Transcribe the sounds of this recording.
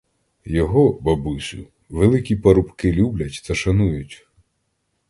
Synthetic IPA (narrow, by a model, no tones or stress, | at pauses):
jɔɦɔbɐbʊsʲʊ̰ | ʋelˠɪkʲipɐɾʊpkɪlʲublʲɐtʲt̪ɐʃɐnujʊtʲ